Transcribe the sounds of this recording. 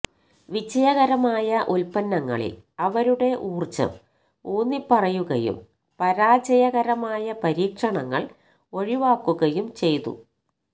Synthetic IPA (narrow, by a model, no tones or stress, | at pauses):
ʋid͡ʑɐjɐɣɐɾɐmaːjɐʔulpɐnːɐŋːɐ̰ɭḭlɐʋɐɾuɽe̞ʔuːrt͡ɕːɐ̰m | oːnːipːɐrɐjuɣɐ̰jṵm | pɐɾaːd͡ʑɐjɐɣɐɾɐmaːjɐpɐɾiːkʂɐɳɐŋːɐ̰ɭ | o̞ɻiʋaːkːuɣɐjumt͡ɕe̞jt̪ṵ